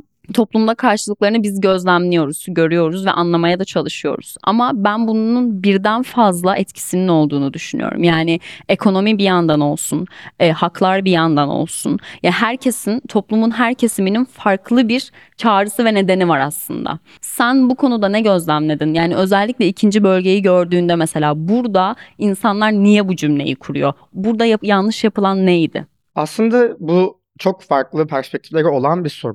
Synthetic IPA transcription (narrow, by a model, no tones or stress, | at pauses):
t̪ʰo̞plˠumd̪ˠakʰaɾʃɯlˠɯklˠaɾɯnɯbizɟø̞zlʲæmlʲijo̞ɾuz̥ɟø̞ɾyjo̞ɾuzvɛ̰ʔanlˠamajad̪at͡ʃʰalˠɯʃɯjo̞̰ɾṵz̥a̰mabænbunununbiɾd̪ænfazlˠaʔɛt̪cʰi̥sinino̞lˠd̪uːnud̪yʃyny̰jo̞̰ɾṵmjaːnɪekʰo̞no̞mibijand̪ano̞lˠsunɛːhaklˠaɾbijand̪ano̰lˠsunjaɦæɾcʰe̞sint̪ʰo̞plˠumunɦæɾcʰe̞simininfaɾklˠɯbiɾ | t͡ʃʰaːɾɯsɯvɛne̞d̪e̞nivaɾaslˠɯ̰nd̪a̰ | sænbukʰo̞nud̪anɛɟø̞zlʲæmlʲed̪injaːniø̞zɛlʲːicʲlʲɛicʰind͡ʒibø̞lʲɟe̞jiɟø̞ɾd̪yːnd̪ɛmese̞lʲaːbuɾd̪ainsanlˠaɾnijɛbud͡ʒymlʲe̞̰jikʰuɾujo̞ | buɾd̪ajajanˠlˠɯʃjapɯlˠanːejd̪ɪ̰ | aslˠɯnd̪abu | t͡ʃʰo̞kfaɾklˠɯpʰæɾspʰɛc̚t̪ʰiflʲeɾio̞lˠanbiso̞ɾum